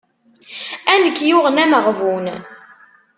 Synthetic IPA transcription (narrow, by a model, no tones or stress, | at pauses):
ænəkːjʊʁənæməʁvun